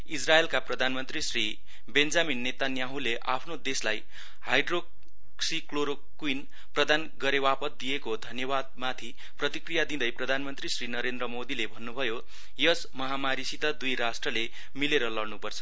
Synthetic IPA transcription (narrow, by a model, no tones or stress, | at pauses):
israelkaprʌd̪ʱanmʌnt̪risri | bend͡zaminːet̪anjaɦũleʔa̰pʰnod̪eslaj | ha̰jɖro | sikloɾo | kuin | prʌd̪anɡʌɾewapʌt̪̚d̪ijekod̪ʱʌnjʌβad̪̚mat̪ʰi | prʌt̪ikrijad̪ĩd̪ʌjprʌd̪ʱanmʌnt̪risrinʌɾend̪rʌmod̪ilebʱʌnːubʱʌjo | jʌsmʌɦamaɾisit̪ʌd̪ujɾasʈrʌle | mileɾʌlʌɽnupʌrt͡sʰʌ̥